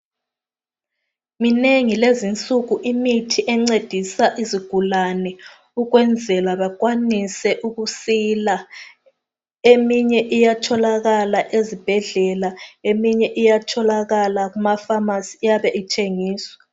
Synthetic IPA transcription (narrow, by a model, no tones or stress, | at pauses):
mineŋilezint͡sʼuɣuʔimitʰiʔɛŋ͡ǀed̥ʱisaʔiziɡ̥ʱulanɛ | uɣwɛnd͡zʱɛlaβaɣwanisɛʔuɣusila | emiɲɛʔijatʰɔlaɣalaʔezib̥ʱɛɮɛlaemiɲɛʔijatʰɔlaɣalaɣumafamasijaβɛʔitʰeŋiːswḁ